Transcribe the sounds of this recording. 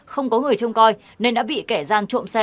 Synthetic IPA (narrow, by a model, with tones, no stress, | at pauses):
xə˧wŋ͡mkɔ˨˦ŋɨ˨˩əjt͡ɕə˧wŋ͡mkɔ˧j | ne˧nɗa̰ː˧˥ɓḭ˧˨kɛ˧˩zaː˧ŋt͡ɕu˧˨msɛ˧